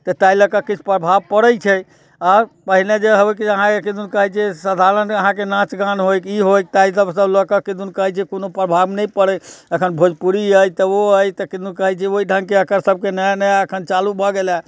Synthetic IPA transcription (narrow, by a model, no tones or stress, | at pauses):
t̪ət̪ailəkəkit͡ʃʰu̥pɾəbʱabpəɽəjt͡ʃʰɛ | aɾpəɦiled͡ʒeɦəbkəɦãkekid̪unkəɦɛt͡ʃʰɛsəd̪ʱaɾənəɦãkenãt͡ʃɡãnɦokiɦojk̚t̪aisəbsəbləkəkid̪unkəɦɛt͡ʃʰɛkonopɾəbʱabnɛjpəɽɛəkʰənbʱod͡ʒpuɾiəjt̪əoəjt̪əkid̪unkəɦɛt͡ʃʰɛoiɖʱə̃ŋɡkeəkəɾsəb̚kenəjnəjəkʰənt͡ʃalubʱɔɡela